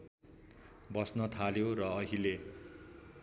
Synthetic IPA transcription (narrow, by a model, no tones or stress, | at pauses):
bʌsnʌt̪ʰaljorʌːɦile